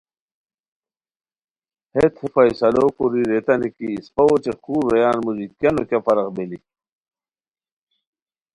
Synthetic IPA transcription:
het̪ʰhefajsɐloːkuɾiɾet̪ɐnikiːspɐot͡ɕexuːɾːejaːnmuzikjɐnokʲafɐɾɐqbeli

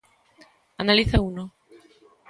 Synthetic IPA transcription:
analiθauno

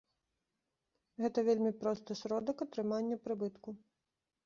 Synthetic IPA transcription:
ɣɛt̪ɐvʲelʲmʲipɾɔst̪ɨsɾɔd̪ɐkɐt̪ɾɨmanʲːɐpɾɨbɨt̪ku

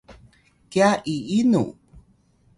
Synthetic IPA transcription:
kiaʔiinṵ

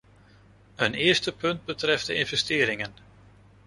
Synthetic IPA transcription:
ənɪːəɹstəpɵnd̚bətrɛfdəɪnvɛstɪːɾɪŋən

